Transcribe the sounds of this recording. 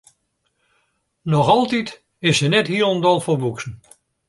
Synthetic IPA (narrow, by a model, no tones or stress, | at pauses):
nɔxɑlˠtit | ɪsənɛthiələndɔlˠforbuksn̩